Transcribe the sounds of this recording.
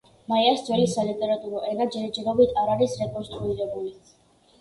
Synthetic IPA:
maiasd̪zwɛlisalit̪ʼɛɾat̪ʼuɾɔʔɛnad͡ʒɛɾd͡ʒɛɾɔbit̪ʰaɾaɾisɾɛkʼɔnst̪ʼɾuiɾɛbuli

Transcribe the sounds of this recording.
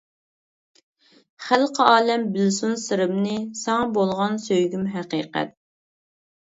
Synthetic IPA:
χælˠqʰəɑːlɛmbɪlsunsɨɾɨmnɨsɑŋbolˠʁɑnsøjɡʲymɦæqiːqæ̰t̪̚

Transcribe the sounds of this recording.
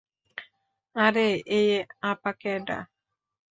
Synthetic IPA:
aɾeʔejeapakeɖa̰

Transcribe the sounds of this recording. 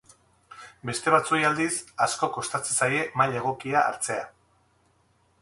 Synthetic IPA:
be̞st̪e̞βat͡sojald̪isasko̞ko̞st̪at͡se̞saje̞maje̞ɣ̞o̞kia̰ːɾt͡se̞a

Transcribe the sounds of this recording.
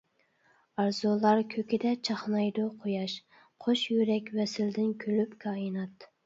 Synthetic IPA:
ɑɾzolˠɑɾkʲʰøkʲɪd̪ɛt͡ʃʰɑχnɑjd̪oqʰojɑʃ | qʰoʃjyɾɛkʲwɛsɪld̪ɪnkʲʰølypkʰɑːinɑt̪

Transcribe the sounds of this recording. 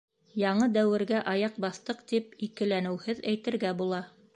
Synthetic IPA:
jɑɴɤd̪æwɘ̆ɾɡæʔɑjɑq̚bɑθt̪ɤqt̪ip̚ikɘ̆lænɘ̆whɘðæjt̪ɘ̆ɾɡæbulˠɑ

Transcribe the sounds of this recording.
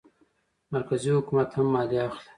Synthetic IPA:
maɾkazihʊkumat̪hamːɑliaxle

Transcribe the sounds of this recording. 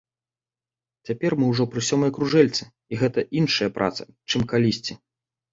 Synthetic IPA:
t͡sʲapʲɛrmɨwʐɔpɾɨsʲɔmɐjɐkɾuʐɛlʲt̪sɨ | iɣɛt̪ɐʔinʂɐjɐpɾʔa̰t̪sɐ̥̰t͡ʂɨmkalʲisʲt͡sʲi

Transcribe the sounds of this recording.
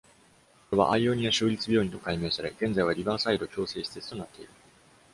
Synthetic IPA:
keβa̰ʔaio̞ɲ̟ijaɕɨːɾʲit͡sɨbʲo̞ːint̪o̞kaime̞ːsaɾe̞ɡ̥ẽ̞nd͡zaiβaɾʲibaːsaiɾo̞kʲo̞ːse̞ːɕi̥t̪e̞t͡sɨ̥t̪o̞nat̪ːe̞iɾɯ̟

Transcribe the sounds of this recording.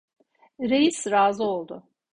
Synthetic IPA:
ɾejisɾaːzɯo̞lˠd̪ʊ

